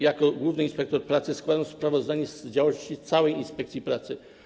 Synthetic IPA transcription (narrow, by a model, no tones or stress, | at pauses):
jakɔɡwuvnɘinspɛk̚t̪ɔɾpɾat̪sɘskwad̪aw̃spɾavɔzd̪aɲɛsd͡ʑawɔɕt͡ɕist̪sawɛjinspɛkt̪sʲjipɾat̪sɘ